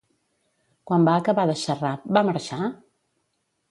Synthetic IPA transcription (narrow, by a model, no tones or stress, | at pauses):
kwambaəkəβaðəʃərap̚baməɾʃa